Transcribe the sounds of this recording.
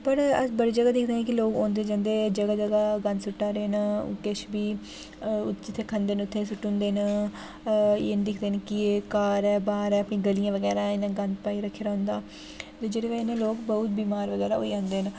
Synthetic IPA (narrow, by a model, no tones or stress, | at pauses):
pəɾəbəɽiːd͡ʒəɡaːd̪ɪkʰd̪eːɦɛ̃ːkɪloːkõːnd̪eːd͡ʒãːnd̪eːd͡ʒəɡaːd͡ʒəɡaːɡənd̪sʊʈːaːɾeːn̰kɪʃbiː | d͡ʒɪt̪ʰːeːkʰənd̪eːnʊt̪ʰːeːsʊʈːõːnd̪eːnː | eːnd̪ɪkʰd̪eːnkɪekaːɾɛːbaːɾɛːəpɳĩːɡəlijãːʋəɡɛːɾãːɪnãːɡənd̪paːiːɾəkʰːeːɾaːɦʊ̃nd̪aː | t̪eːd͡ʒeːɽeːʋɛːɪnẽːloːkbəʊt̪̚biːmaːɾʋəɡɛːɾaːo̰ːiãːnd̪eːən